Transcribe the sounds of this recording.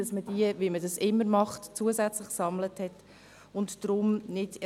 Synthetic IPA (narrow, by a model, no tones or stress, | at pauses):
ɑsməd̥iəʋimədɑsɪmːəɾmɑχtt͡suəzɛt͡slɪχksɑmləthɛt | ʊntd̥ɾʊmnɪd̥